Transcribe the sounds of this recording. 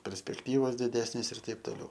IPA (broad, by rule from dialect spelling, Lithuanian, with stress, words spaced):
pʲɛrʲsʲpʲɛkˈtʲiːʋoːs dʲɪˈdʲæːsʲnʲeːs ɪr ˈtɐɪp toːˈlʲɛʊ